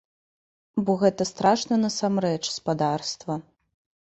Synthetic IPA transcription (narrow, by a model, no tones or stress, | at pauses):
bɔɣɛt̪ɐst̪ɾaʂnɐnɐsamɾɛt͡ʂspad̪arst̪vɐ